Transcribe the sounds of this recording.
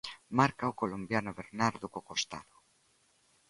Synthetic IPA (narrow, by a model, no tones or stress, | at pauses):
maɾkaokolombjanoβeɾnaɾðokokost̪a̰ðo